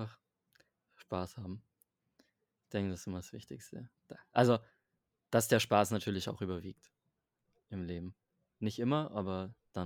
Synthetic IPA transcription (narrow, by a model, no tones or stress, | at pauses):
aχ | ʃpaːshaːbm̩ | ɪçd̥ɛŋkədasɪsʔɪmɐsv̥ɪçtɪçstəd̥aʔalzo | d̥asd̥eːɐʃpaːsnatʰyːɐlɪça̰ʊχʔyːbɐviːk̚t | ʔɪmleːbm̩ | nɪçtʔɪmɐʔaːbɐd̥a